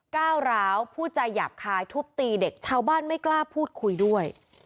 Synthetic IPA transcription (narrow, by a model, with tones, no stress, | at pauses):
kaː˥˩wɾaː˦˥wpʰuː˥˩t͡ɕa˧jːa̰ː˨˩p̚kʰaː˧jt̪ʰu˦˥k̚t̪iː˧de˨˩k̚t͡ɕʰaː˦˥wbaː˥˩nma˥˩jklaː˥˩pʰuː˥˩t̪̚kʰu˧jdu˥˩əj